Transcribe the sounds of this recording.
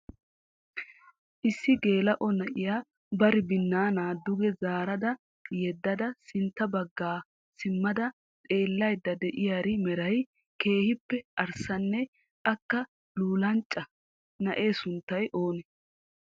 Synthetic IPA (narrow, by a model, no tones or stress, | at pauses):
ʔɪsːɪɡe̞ːlɐʔɔnɐʔɪjaː | bɐɾɪbɪnːaːnaːd̪ːʊɡɛzaːɾɐd̪ɐ | jɛd̪ːɐd̪ɐsɪnt̪ːɐbɐɡːaː | sɪmːɐd̪ɐ | t̪ʼe̞ːlːɐjd̪ːɐd̪ɛʔɪjaɾɪmɛɾɐj | ke̞ːhɪpːɛʔɐɾsɐnːɛ | ʔɐkːɐ | luːlɐnt͡ʃʼːɐ | nɐʔe̞ːsʊnt̪ːɐjʔo̞ːnɛ